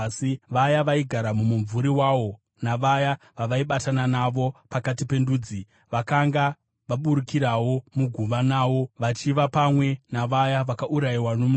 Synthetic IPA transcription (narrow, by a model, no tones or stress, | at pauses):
iʋajaʋaiɡʱaɾamumuɱvuɾiwawo̞ | naʋaja | ʋaʋaiɓatananaʋo̞pakatipe̞nduːd͡zi | ʋakaŋɡa | ʋaɓuɾukiɾawo̞muɡʱuʋanaːwo̞ʋat͡ʃiʋapamwe̞naʋajaʋakaʔuɾaiwanomu